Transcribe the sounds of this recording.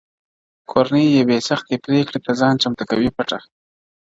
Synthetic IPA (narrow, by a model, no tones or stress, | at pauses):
kʰoɾanəjjewesaxt̪epɾekɽet̪azɑnt͡ʃamt̪akawipaʈa